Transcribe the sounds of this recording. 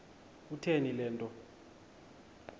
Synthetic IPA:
utʰenilɛːntʼɔ

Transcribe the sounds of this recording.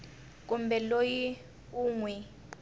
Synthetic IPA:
k̬umbʱɛloji | uŋwɛ

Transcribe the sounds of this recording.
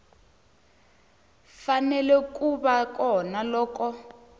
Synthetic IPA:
fanɛlɛk̬ʼuɓakɔnalɔːkɔ

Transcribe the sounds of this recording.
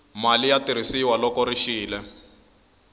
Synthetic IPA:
malijatiɾ̤isiwalɔkɔɾiʃiːlɛ

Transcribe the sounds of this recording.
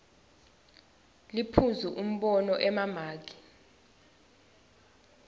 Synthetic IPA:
lipʰuzuʔum̩ɓɔnɔʔɛmamaːk̬i̥

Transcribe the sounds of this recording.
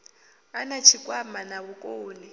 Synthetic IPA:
anat͡ʃʰikʼwamanaβukʼoːni

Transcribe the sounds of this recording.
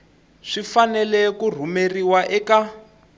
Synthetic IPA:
ʂifanɛlɛkur̤umeriwaʔɛka

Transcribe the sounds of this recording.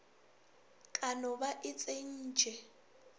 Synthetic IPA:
kʼanɔbaʔɪt͡sʼen̩ːd͡ʒʱɛ

